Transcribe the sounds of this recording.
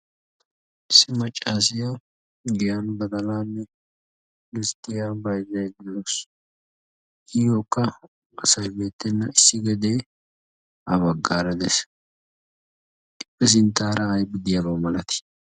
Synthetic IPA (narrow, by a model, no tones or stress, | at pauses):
ʔɪsːɪmɐt͡ʃʼːaːs̬ɪjɐw | ɡɪjanbɐd̪ɐlaːnːɛ | lɪst̪ʼːɪjabɐjzɐjɡ̪ɪlos | ɪjoːkːɐ | ɐsɐjbe̞ːt̪ːɛnːɐ̰ɪsːɪɡɛd̪e̞ː | ɐbɐɡːaːɾɐd̪ɛs | kʼɪpʼːɛs̬ɪnt̪ːaːɾɐːjbɪd̪ɪjabɐwmɐlɐt̪ɪ̥